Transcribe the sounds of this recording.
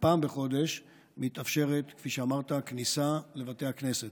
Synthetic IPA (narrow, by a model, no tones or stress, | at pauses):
paːmbeχo̞d̪e̞ʃ | mit̪afʃe̞ʁet̪kfiʃeamaʁt̪aknisale̞vat̪e̞jhakne̞set̪